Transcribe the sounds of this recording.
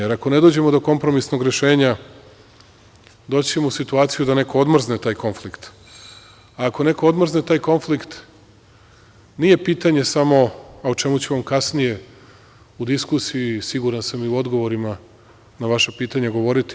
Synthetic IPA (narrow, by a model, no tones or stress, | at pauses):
eɾako̞ned̪od͡ʑe̞mo̞d̪o̞ko̞mpɾo̞misno̞ɡɾe̞ʃe̞ːɲa | d̪ot͡ɕe̞musit̪uaːt̪sijud̪ane̞ko̞od̪mr̩znet̪aːjko̞nflikt̪ | aːko̞ne̞kood̪mrznet̪aːjko̞nflikt̪ | nije̞piːt̪aɲe̞samo̞aot͡ʃe̞mut͡ɕeʋamkasnije̞ | ud̪iskusijisiɡuɾansamiuo̞d̪ɡo̞ʋo̞ɾima | naʋaʃapiːt̪aɲaɡo̞ʋo̞ɾit̪i